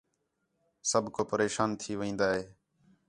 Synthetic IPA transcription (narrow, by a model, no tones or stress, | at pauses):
səbʱkoːpəɾeːʃaːnt̪ʰiːʋĩːnd̪aːɦeː